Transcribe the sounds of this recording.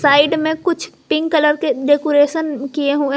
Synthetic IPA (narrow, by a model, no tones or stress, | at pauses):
saːɪɖmẽkʊt͡ʃʰpɪ̃ŋɡkɐləɾkeɖeːkoːɾeːʃənkieɦuẽ